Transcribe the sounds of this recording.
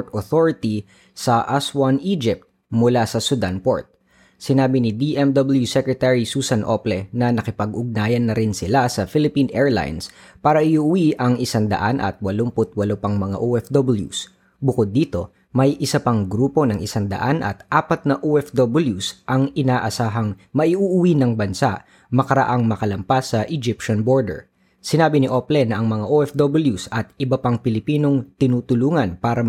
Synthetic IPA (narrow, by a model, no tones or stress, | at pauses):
t̪oθoɹɪt̪i | sɐʔɐswaniːd͡ʒɪp̚t̪̚ | mʊlasɐsud̪anpo̰ɹt̪̚ | sɪnaːbɪnɪd̪iʔɛmd̪obɐljusɛkɹɛt̪ɛɹisuːsɐnʔoplɛnɐnɐkɪpɐɡʔʊɡ̚naːjɐnːɐɾɪnsɪlasɐfɪlɪpinʔɛːɹla̰jns | paːɾɐʔɪʔuːwiʔɐŋʔɪsand̪ɐ̰ʔanʔɐ̰t̪̚wɐlompʊt̪̚wɐlopɐŋmɐŋa̰ʔoːʔɛfd̪obɪljṵs | bʊkod̪ːiːt̪o̞ | mɐjʔɪsɐpaŋɡɾuːpo̞nɐŋʔɪsand̪ɐ̰ʔanʔɐ̰t̪ʔaːpɐt̪̚nɐʔoʔɛfd̪obɪljusʔɐŋɪnaːʔɐsaːɦɐŋ | mɐʔiʔuʔʊwinɐŋbɐnsa̰ʔ | mɐkɐɾɐʔaŋmɐkɐlɐmpasːɐʔɪd͡ʒɪpʃɐnbo̞ɹd̪ɛ̰ɹ | sɪnaːbɪnɪʔoplɛnɐʔɐŋmɐŋaʔoʔɛfd̪obɪljusɐt̪ɪbɐpaŋpɪlɪpiːno̞ŋt̪ɪnuːt̪ʊluːŋɐnpaːɾɐ